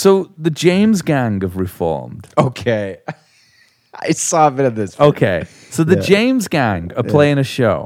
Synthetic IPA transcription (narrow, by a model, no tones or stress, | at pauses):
soʊðɨd͡ʒẽɪ̃mzɡæ̃ŋəvɹɪfɔ̰ɹmd̥oʊkʰeɪ | aɪsɔbɪɾʌ̃nðɪsoʊkʰeɪ | soʊðɨd͡ʒẽɪ̃mzɡæ̃ŋəpʰl̥eɪɪ̃ŋɨʃoʊ